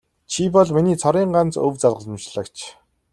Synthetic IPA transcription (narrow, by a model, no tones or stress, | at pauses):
t͡ɕʰipɔɮminiːt͡sʰɔɾiːɴɢant͡sɵ̰wt͡saɮʁə̆ɮ̆mt͡ɕɮə̆kt͡ɕʰ